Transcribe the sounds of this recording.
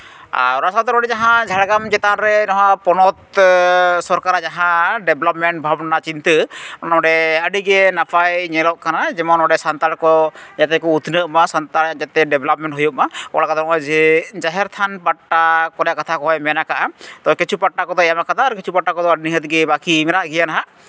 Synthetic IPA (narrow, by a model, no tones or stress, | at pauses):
a̰ɾasad̪ɔɾɔɖɛd͡ʒaɦãd͡ʒʱaɽɡamd͡ʒɛt̪anɾɛnɔɦãpɔnɔt̪ | sɔɾkaɾad͡ʒaɦãɖɛblɔp̚mɛɳʈ̚bʱabnat͡ʃint̪əɔnɔɔɖɛəɖiɡɛnapʰajɲɛlɔʔkanad͡ʒɛmɔnɔɖɛsant̪aɾkɔd͡ʒat̪ɛkɔut̪nəʔmasant̪aɾd͡ʒat̪ɛɖɛblap̚mɛɳʈɦujuʔ̚makɔ̰ɽakad̪ɔɔʔɔd͡ʒɛd͡ʒaɦɛɾt̪ʰanpaʈːakɔɾjaʔkat̪ʰakɔɦɔjmɛnakaʔat̪ɔkit͡ʃʰupaʈːakɔd̪ɔɛjamakat̪ʰaːɾkit͡ʃʰupaʈːakɔd̪ɔəɖiniɦət̪ɡɛbakimɛɾaʔɡijanaɦaʔ